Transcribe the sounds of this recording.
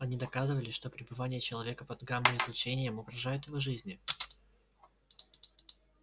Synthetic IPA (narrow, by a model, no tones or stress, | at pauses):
ɐnʲid̪ɐkazɨvəlʲɪʂt̪o̞pɾʲɪbɨvanʲɪjət͡ɕɪlˠɐvʲe̞kəpɐd̪ɡamnɨɪzlʲˠʊt͡ɕenʲɪjəmʊɡɾɐʐajʊt̪jɪvo̞ʐɨzʲnʲɪ